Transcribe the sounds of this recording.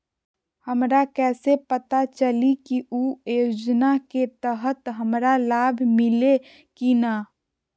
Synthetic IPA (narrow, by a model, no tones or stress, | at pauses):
həmɾakɛːsepət̪at͡ʃəlikiʔujod͡ʒnaket̪əɦət̪ɦəmɾalaːbʱmɪle | kina